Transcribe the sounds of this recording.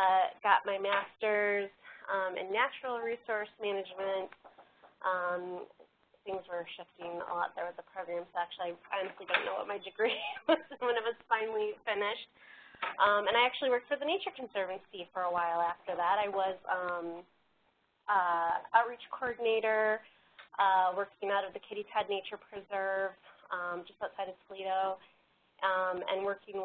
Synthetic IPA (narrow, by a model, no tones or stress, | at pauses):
ʌɡ̥ɑt̚maɪmæstə˞zʌ̃mɨ̰̃nːæt͡ʃɹl̩ˠɹisɔɹsmænɨd͡ʒmɨ̃nt | ʔʌ̃m | θɪ̃ŋzwə˞ʃɪftɪ̃ŋə̰lɔt̪̚ðə˞wʌzəpʰɹ̥oʊɡɹæ̃msoʊæk̚t͡ʃʉl̩ˠiaɪɑnɨstlidõʊ̃nːoʊwʌ̰t̚maɪdɨɡɹiwʌz̥wə̃nɨt̚wʌz̥fãɪ̃nl̩ˠifɪnɪʃt̚ʔʌ̃mɨ̃ñaɪæk̚t͡ʃʉl̩ˠiwɜ˞k̚tfə˞ðɨneɪt͡ʃə˞kʰn̩sɜ˞vɨ̃nsifə˞əwaɪlˠæftə˞ðæɾaɪwʌzʌ̃m | ʔʌɹit͡ʃkʰɔɹdⁿn̩eɪɾə˞ | ʔʌwɜ˞kɪ̃ŋaʊɾʌvðɨkʰɪɾitʰɛdⁿneɪt͡ʃə˞pʰɹ̥ɨzɜ˞vʌ̃md͡ʒʌstaʊtsaɪɾɨ̥fliɾoʊ | ʔʌ̃mɨ̰̃nwɜ˞kɪ̃ŋ